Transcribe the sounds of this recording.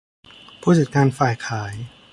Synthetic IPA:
pʰuː˥˩sɯː˨˩k̚ːaː˧nfaː˨˩jkʰaː˩˦j

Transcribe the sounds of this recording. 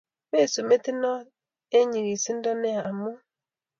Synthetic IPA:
me˦˨so˨me˦ti˦nɔ˦ | e˦ɲi˨ɣi˨si˦n̩˦dɔ˦nɛ˦a˨a˨mu˦

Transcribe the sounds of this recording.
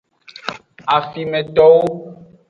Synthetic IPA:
a˨fi˨mɛ̃˨t̪ɔ˦wo˦

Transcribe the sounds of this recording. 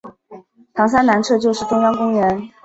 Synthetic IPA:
t̪ʰɑ˧˥ŋs̬a˥nna˧˥nʈ͡ʂʰɤ˥˧t͡ɕjo˥˧ʊʂɻ̩˥˩ʈ͡ʂʊ˥ŋjɑ˥ŋkʊ˥ŋɥɛ˧˥n

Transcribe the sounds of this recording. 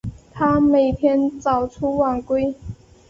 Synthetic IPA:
t̪ʰa˥me˨˩ɪt̪ʰjɛ˥nt͡sɑ˨˩ʊʈ͡ʂʰu˥wa˨˩nkwe˥ɪ

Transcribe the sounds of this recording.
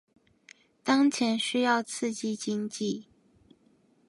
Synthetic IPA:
t̪ɑ˥ŋt͡ɕʰjɛ˧˥nɕy˥jɑ˥˧ʊt͡sʰɹ̩˥˧t͡ɕi˥˩t͡ɕi˥ŋt͡ɕi˥˩

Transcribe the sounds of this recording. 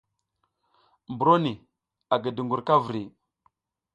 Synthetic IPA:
mbu˨ɾo˦ni˨ | a˨ɡə˨də˨ŋɡu˨ɾka˦vɾi˨

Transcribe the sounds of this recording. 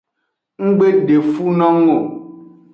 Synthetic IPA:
ŋ̩˦ɡ͡be˦ɖe˨fu˦nɔ̃˦ŋo˨

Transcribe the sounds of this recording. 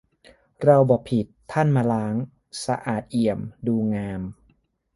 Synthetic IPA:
ɾa˧wbɔː˨˩pʰi˨˩t̪ʰːa˥˩nmaː˧laː˦˥ŋ | sa˧ʔaː˨˩t̪̚ʔi˨˩əmduː˧ŋaː˧m

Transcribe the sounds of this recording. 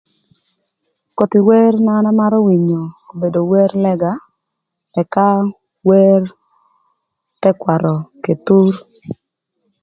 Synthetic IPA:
ko˨t̪i˨we˦rna˦na˦ma˦ɾo˦wi˨ɲo˨o˨be˨do˨wɛ˦rlɛ˦ɡa˨ | ɛ˨ka˦ | we˦r | tɛ˦kwa˨ɾɔ˨ke˨t̪u˦r

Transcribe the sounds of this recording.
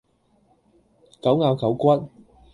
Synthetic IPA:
kɐ˨˥wŋaː˨˧wkʰɐ˨˥wkʷɐ˥t̚

